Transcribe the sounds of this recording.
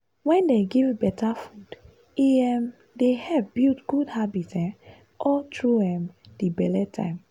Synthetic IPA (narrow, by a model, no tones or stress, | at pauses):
wɛ̃ndeɡivbɛtafud̥ | iɛm | dehɛvbiltɡ̥udhabitɛ̃ | ɔtʰɹuɛ̃mdibɛlɛtʰã̰ɪm